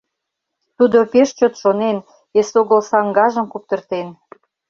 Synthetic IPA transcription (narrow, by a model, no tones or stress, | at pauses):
t̪ud̪opeʃt͡ɕot̪ʃonen | esoɣəlsɑŋɡɑʒə̆mkup̚t̪ə̆rt̪en